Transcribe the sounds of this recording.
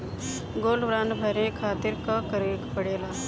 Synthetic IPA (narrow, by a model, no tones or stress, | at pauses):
ɡoːlʋɾaːnbʱɐɾẽkʰaːt̪ɪɾkakəɾekpəɽeːlaː